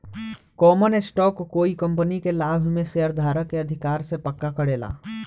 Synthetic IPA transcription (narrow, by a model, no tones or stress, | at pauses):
kɔːmənɪsʈɔːkkoːikə̃mpənikelaːbʱmẽseːəɾd̪ʱaːɾəkeəd̪ʱɪkaːɾsepəkːakəɽeːla̰ː